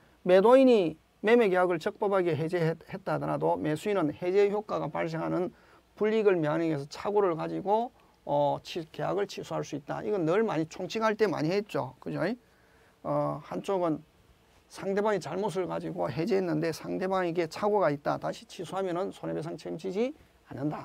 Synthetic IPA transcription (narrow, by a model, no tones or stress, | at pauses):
me̞doiɲi | me̞me̞ɡe̞ɦjaɡɯɭt͡ɕʌk̚p͈ʌbaɡeɦed͡ʑehet̚t͈adʌɾa̰dome̞sʰuinɯnhe̞d͡ʑe̞çjok͈aɡapaɭs̬ʰeŋɦanɯn | puʎːiɡɯɭmiɦaneɡes̬ʰʌt͡ɕʰaɡoɾɯɭkad͡ʑiɡo | ʌt͡ɕʰikeja̰ɡɯɭt͡ɕʰisʰuɦaɭs͈uit̚t͈a̰ʔiɡʌnːɯɭmaɲit͡ɕʰoŋt͡ɕʰiɡɦaɭt͈e̞ma̰ɲiɦet̚t͡ɕ͈okɯd͡ʑoi | ʌhant͡ɕ͈oɡɯn | sʰaŋde̞baŋet͡ɕaɭmos̬ʰɯɭkad͡ʑiɡoɦe̞d͡ʑeɦenːɯnde̞sʰaŋde̞baŋeɡe̞t͡ɕʰaɡoɡait̚t͈a̰taŋɕʰi̥t͡ɕʰisʰuɦamjʌnɯnsʰonebesʰaŋt͡ɕʰemt͡ɕʰid͡ʑi | anːɯnda